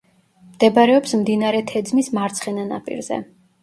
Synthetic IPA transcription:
md̪̥ɛbaɾɛɔpsmd̪inaɾɛt̪ʰɛd̪zmismaɾt̪sʰχɛnana̰pʼḭɾzɛ̰

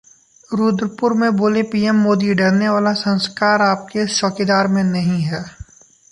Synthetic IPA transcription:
ɾuːd̪ɾpʊɾmẽboːlepiːɛmːoːd̪iɖɐɽneʋaːlasɐ̃nskaːɾaːp̚keʃɔːked̪aːɾmẽnɐɦĩɦɛː

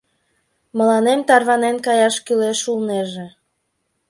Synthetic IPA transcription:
mə̆lɑnemt̪ɑrβɑnenkɑjɑʃkyleʃulneʒe

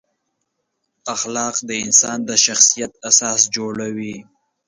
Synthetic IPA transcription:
axlɑqd̪əɪnsɑnd̪əʃaxsijat̪̚asɑːsd͡ʒoɽawi

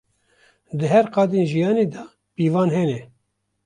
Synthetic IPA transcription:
d̪ɨɦɛɾqɑːd̪eːnʒijɑːneːd̪ɑ | piːvɑːnɦɛnɛ

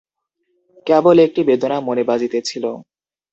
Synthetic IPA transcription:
kɛbolek̚ʈibed̪onamonebad͡ʑit̪et͡ɕʰilo

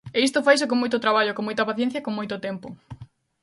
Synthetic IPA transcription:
eis̬t̪ʊfajs̬ek̬oŋmojt̪ʊt̪ɾaβaʎokoŋmojt̪ɐpaθjɛ̃n̟θjɐkoŋmojt̪ʊt̪ɛmpʊ

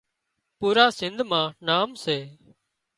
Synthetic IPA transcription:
puːɾaːsɪnd̪ʱmãːnaːmseː

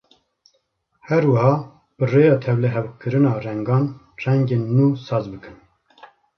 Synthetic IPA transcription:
hɛɾwɐhɑː | b̥ɨreːjɑːt̪ʰɛwlɛɦɛwkʰɨɾɨnɑːrɛŋɡɑːn | rɛŋɡeːnːuːsɑːzbɨkɨn

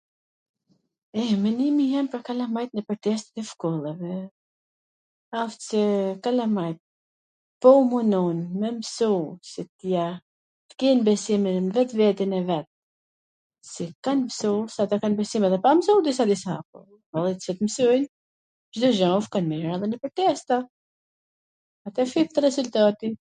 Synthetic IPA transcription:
ɛmənimijɛmpəɾkalamajt̪nəpəɾt̪ɛst̪ɛ̥t̪ɛfkɔlˠɛvɛ | aft̪sɛkalamajt̪̚ | pɔumunɔnmɛmsusɛt̪ja | t̪kɛnbɛsiminnvɛt̪vɛt̪inɛvɛt̪̚ | sikanmsusat̪akanbɛsimɛðɛpamsud̪is̬ad̪isapɔ̰ | alˠɛsɛt̪əmsujn | ʒd̪ɔʒafkanmɛɾaðɛnəpəɾt̪ɛst̪a | at̪ɛfip̚t̪əɾɛzult̪at̪i

